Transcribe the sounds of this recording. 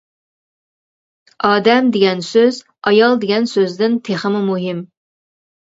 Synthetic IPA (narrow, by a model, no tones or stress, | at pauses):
ɑːd̪ɛmd̪eɡʲɛnsøz | ɑjɑlˠd̪eɡʲɛnsøzd̪ɪnt̪ʰeχəmumuɦɪm